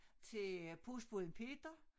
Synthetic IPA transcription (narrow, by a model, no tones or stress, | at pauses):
t͡sʰe̝pʰusb̥uðˠnpʰe̝d̥ɐ